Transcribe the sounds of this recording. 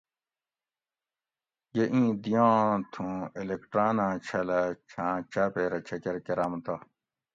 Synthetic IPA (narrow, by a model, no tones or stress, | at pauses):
jeʔĩːd̪ijãːt̪ʰũelekʈɾaːnãːt͡ɕʰɐlɐt͡ɕʰãːt͡ɕaːpeːɾɐt͡ɕʰɐkeɾkeɾaːmt̪a